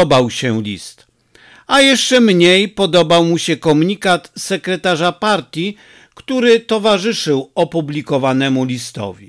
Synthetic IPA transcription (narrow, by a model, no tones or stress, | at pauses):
ɔbawɕɛlʲḭst̪ | ajɛʂt͡ʂɛmɲejpɔd̪ɔbawmuɕɛkɔmuɲikat̪sɛkɾɛt̪aʐapaɾt̪ʲji | kt̪uɾɘt̪ɔvaʐɘʂɘwɔpublʲikɔvanɛmulʲist̪ɔ̰vʲi